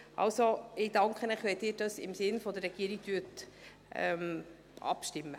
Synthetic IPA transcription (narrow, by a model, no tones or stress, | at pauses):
ʔɑ̰lsoɪd̥ɑŋkχənɛχʋɛd̥ɪːɾd̥ɑsɪ̰msɪnfɔd̪ərːɛɡ̥iːəɾiɡ̚tyt | ʔɛ̰m | ʔɑ̰pʃtɪmːə